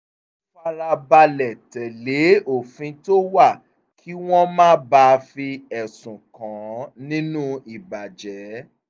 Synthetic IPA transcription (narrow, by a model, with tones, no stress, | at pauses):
fa˧ɾa˧ba˧lɛ˨tɛ˨le˨˦o˦˨fĩ˧to˦wa˦˨ | kʰi˦w̃ɔ̃˦mãː˦ba˧fi˧ɛ˨sũ˨kã˨˦nĩ˦nũ˦i˨ba˨d͡ʒɛ˨˦